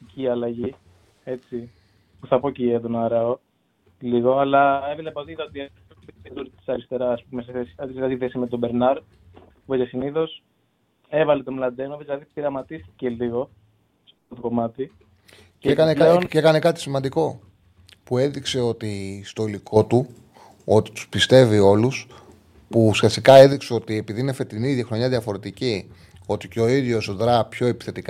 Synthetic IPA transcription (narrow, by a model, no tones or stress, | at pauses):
iciɐlɐʝi | e̞t͡si | puθɐpo̞cieðonɐɾɐo | liɣo̞ɐlɐevilɐpoðit̪ɐot̪ie | met̪it̪ekd̪oɾt̪t̪i̥sɐɾist̪e̞ɾɐspumeseθesi̥ɐðlɐd̪iθesimet̪o̞be̞ɾnɐɾ | voʝɐsiniðo̞s | e̞vɐlet̪omlɐnd̪emoezilɐðipiɾɐmɐt̪ist̪i̥ce̞liɣo̞ | spot̪oko̞mɐt̪i | cekɐneɐekɐne̞kɐt̪i̥simɐnd̪iko̞ | pue̞ðikse̞o̞t̪ist̪o̞ilikʰo̞t̪u | o̞t̪i̥t̪u̥spist̪e̞vio̞lus | pusçɐst̪ikɐe̞ðikseo̞t̪ie̞piðiinefet̪iniðʝɐxɾoɲɐðjɐfo̞ɾe̞t̪ici | o̞t̪iceoiðʝosoðɾɐpço̞e̞pi̥θe̞t̪ik